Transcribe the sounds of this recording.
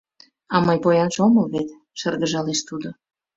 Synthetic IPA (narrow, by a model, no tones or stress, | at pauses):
ɑmɤjpojɑnʃoməlβet̪ | ʃərɣəʒɑleʃt̪ud̪o